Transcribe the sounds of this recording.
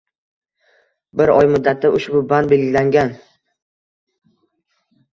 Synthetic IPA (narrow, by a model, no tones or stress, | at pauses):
bɪɾɒjmʊd̪ːat̪ʰːaʔʊʃbʊband̪̚be̞lɡʲɪlaŋɡʲan